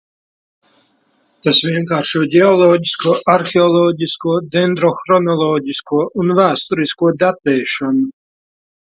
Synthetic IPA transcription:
t̪asvʲiɛŋkaːɾʃuɔɟʲɛɔlˠɔːɟʲiskuɔʔaɾxʲeɔlˠɔːɟʲiskuɔd̪ɛnd̪ɾɔxɾɔnɔlˠɔːɟʲiskuɔʔunvæːst̪uɾiskuɔd̪at̪ɛːʃɔnu

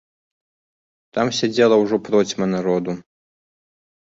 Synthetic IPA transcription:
t̪amsʲad͡zʲɛlˠɐwʐɔpɾɔt͡sʲmɐnaɾɔd̪u

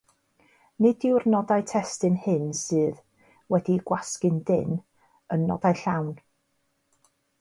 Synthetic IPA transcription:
nɪdɪwrnɔdajtʰɛstɨnhɨnsɨːð | wɛdiɡ̥waskɨndɪn | ənːɔ̰dajɬawn

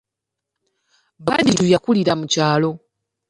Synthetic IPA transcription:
βadiɾujakuliɾamucaːlo̞

